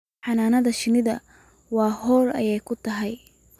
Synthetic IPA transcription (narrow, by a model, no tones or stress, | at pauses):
ħɑnaːnɐðɐʃɪnɪðɐ̰ | wɑːɦɔːrɐ̰jɛjkʰʊt̪ʰɐɦɛj